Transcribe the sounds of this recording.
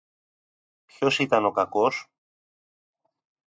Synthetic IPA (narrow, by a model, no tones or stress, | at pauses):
pço̞sit̪ɐno̞kɐko̞s